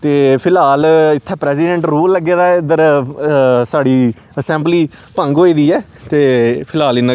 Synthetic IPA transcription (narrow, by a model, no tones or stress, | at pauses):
t̪eːpʰɪlaːlɪt̪ʰːɛːpɾɛːsɪɖɛ̃ɳʈɾuːlːəɡeːd̪aːɪd̪əɾ | saːɽiː | əsɛ̃ːmbliː | pə̃ŋɡɦoːiːd̪iːɛː | t̪eːpʰɪlaːlɪnːã